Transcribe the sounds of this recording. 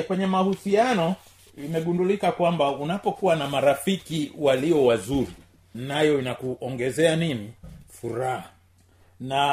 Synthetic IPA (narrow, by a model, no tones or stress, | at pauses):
kwɛɲɛmahusianɔ | imɛɠundulikakwambaunapɔkuwanamaɾafikiwaliɔwazuɾi | najɔinakuʔɔŋɡɛzɛaninifuɾaha | na